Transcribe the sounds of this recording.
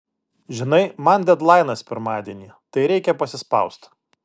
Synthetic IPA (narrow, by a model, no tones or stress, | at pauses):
ʒʲɪnɐɪmɐnd̪ʲɛd̪lˠɑɪnɐspʲɪɾmɑːd̪ʲiɛnʲiːt̪ɐɪɾʲɛɪkʲɛpɐsʲɪspɐ̰ʊst̪